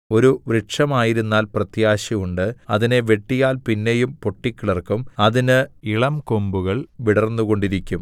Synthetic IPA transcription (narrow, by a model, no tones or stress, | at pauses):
o̞ɾuʋɾiʈʂɐmaːjiɾunːaːlprɐt̪jaːɕiuɳɖɨɐðine̞ʋe̞ʈːijaːlpinːejumpo̞ʈːikʲːiɭɐrkumɐðinɨiɭɐmko̞mbuɣɐɭʋiɽɐrnːuɣo̞ɳɖiɾikʲːum